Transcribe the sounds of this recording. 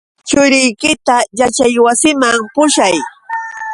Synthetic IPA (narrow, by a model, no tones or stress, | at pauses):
t͡ʃʊɾɪjkɪt̪ajat͡ʃajwasɪmampʊʃaj